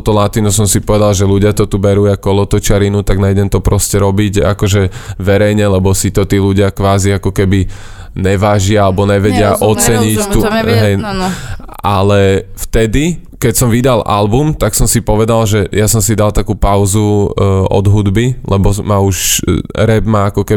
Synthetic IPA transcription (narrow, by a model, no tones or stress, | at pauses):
t̪ɔlat̪inusɔmsipɔʋɛd̪alʒɛluɟɪat̪ɔt̪ubɛɾuakɔlɔt̪ɔt͡ʃaɾinut̪aɡnajɟɛmt̪ɔpɾɔscɛɾɔbiɟa̰kɔʒɛʋɛɾɛjɲɛlɛbɔsit̪ɔt̪iːluɟɪakʋaːziakɔkɛbi | ɲɛʋaʒɪaalɛbɔɲɛʋɛɟɪaʔɔt͡sɛɲict̪uɦɛj | ʔalɛft̪ɛd̪i | kɛcsɔmʋid̪alʔa̰lbumt̪aksɔmsipɔʋɛd̪alʒɛjasɔmsid̪alt̪akuːpaʊzuɔ̰d̪ɦud̪bilɛbɔmauʃɾɛbmaakɔkɛ